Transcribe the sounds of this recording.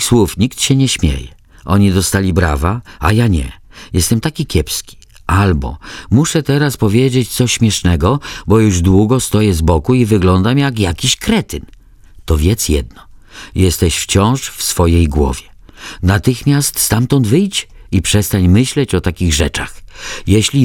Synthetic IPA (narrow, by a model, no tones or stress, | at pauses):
swufɲikt̪ɕɛɲɛɕmʲjḛjɛ | ʔɔɲid̪ɔst̪alʲibɾa̰vaa̰jaɲɛ̰jɛst̪ɛmt̪akʲikʲʰɛpskʲi̥ | albɔ̰muʂɛt̪ɛɾaspɔvʲjed͡ʑet͡ɕt̪sɔɕɕmʲjɛʂnɛɡɔbɔjuʐd̪wuɡɔst̪ɔjɛzbɔkuivɘɡlɔnd̪amjakjakʲiɕkɾɛt̪ɘn | t̪ɔvʲjɛt̪sjɛ̰d̪nɔjɛst̪ɛɕft͡ɕɔ̃w̃ʂfsfɔjejɡwɔ̰vʲjɛ | nat̪ɘxmʲjast̪st̪amt̪ɔnd̪vɘjt͡ɕipʂɛst̪aɲmɘɕlɛt͡ɕɔt̪akʲiɣʐɛt͡ʂaxjɛɕlʲi